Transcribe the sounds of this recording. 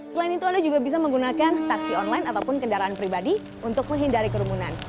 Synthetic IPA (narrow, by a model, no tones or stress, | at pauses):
səlaɪnit̪uandad͡ʒuɡabis̬aməŋɡunakant̪aksiɔnlaɪnat̪awpʊnkəndaɾaanpɾibadi | unt̪ʊk̚məŋɦindaɾikəɾumunan